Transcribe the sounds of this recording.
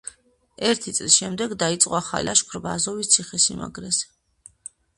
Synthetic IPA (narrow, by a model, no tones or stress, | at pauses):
ɛɾt̪ʰit̪sʼlisʃɛmd̪ɛɡd̪ait̪sʼqʼwaχa̰laʃkʰɾbazɔvist̪sʰiχɛsḭma̰ɡɾɛs